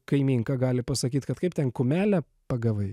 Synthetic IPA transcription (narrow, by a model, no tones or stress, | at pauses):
kɐɪmʲiːŋkɑɡɑːlʲɪpɐsɐkʲiːt̪kɐt̪kɐɪp̚t̪ʲɛnkʊmʲæːlʲæ | pɐɡɐʋɐɪ